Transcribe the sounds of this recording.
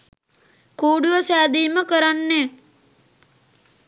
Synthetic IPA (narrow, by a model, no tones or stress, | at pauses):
kuːɖuʋəsæːd̪iːməkəɾanːeː